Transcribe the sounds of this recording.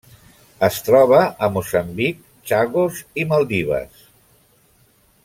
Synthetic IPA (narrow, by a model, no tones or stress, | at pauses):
əst̪ɾɔβ̞əəmusəmbik | t͡ʃaɣuziməlˠd̪iβ̞ə̰s